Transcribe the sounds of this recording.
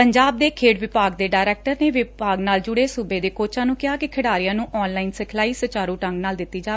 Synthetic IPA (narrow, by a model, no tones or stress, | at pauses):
pəɲd͡ʒaːb̚d̪eːkʰeːʈʋɪpaːɡd̪eːɖaːɾɛːk̚ʈəɾneːʋɪpaːɡnaːld͡ʒʊɽeːsʊbeːd̪eːkoːt͡ʃãːnũːkɪɦaːkɪkʰɪɽaːɾɪjãːnũːʔɔːnlaːinsəkʰlaːiːsət͡ʃaːɾũːʈə̃ŋɡnaːld̪ɪt̪ːiːd͡ʒaːe